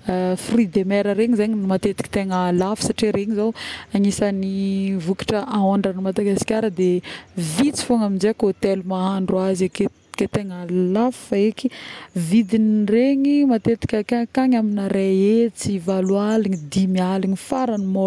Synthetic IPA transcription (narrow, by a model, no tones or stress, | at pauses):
frid̪emeɾəɾeɲizeɲimat̪et̪i̥kʲi̥t̪eŋəlafi̥saʈ͡ʂeɾeŋizawaŋisanivuki̥ʈ͡ʂəʔaoɳɖ͡ʐanimad̪aɡasi̥kʲaɾəd̪evit͡si̥foŋaminzekot̪elumaɦaɳɖ͡ʐuazake̥ | ket̪eŋəlafi̥faekivid̪inireŋimat̪et̪i̥kʲəkakaŋaminaɾeet͡sivalwaliɲid̪imialiŋifaɾanimo